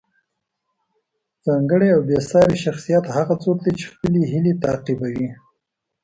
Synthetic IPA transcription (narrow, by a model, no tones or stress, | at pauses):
z̥ɑŋɡəɽeawbesɑɾeʃaxsijat̪haɣat͡sot̪d̪at͡ʃe̥xpəleɦilet̪aqibawi